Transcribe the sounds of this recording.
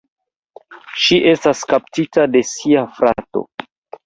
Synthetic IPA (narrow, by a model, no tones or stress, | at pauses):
ʃiʔe̞staskaptitade̞siafɾato̞̰